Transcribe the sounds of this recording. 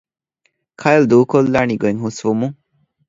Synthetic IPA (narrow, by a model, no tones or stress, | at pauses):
kʰajɐld̪uːkolːaːniɡoeŋɦusʋumu